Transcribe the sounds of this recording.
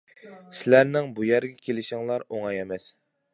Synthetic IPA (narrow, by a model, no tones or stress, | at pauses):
sɪlæɾnɪŋbujæɾɡʲɛkʲʰelɪʃɪŋlˠɑɾoŋɑjɛmɛs